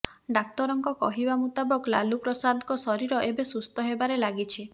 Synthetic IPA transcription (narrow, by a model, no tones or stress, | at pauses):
ɖak̚t̪ɔɾɔŋkɔkɔ̰ɦibamut̪abɔkla̰lupɾɔsad̪ɔkɔsɔɾiɾɔʔebesust̪ɔɦebaɾelaɡit͡ʃʰi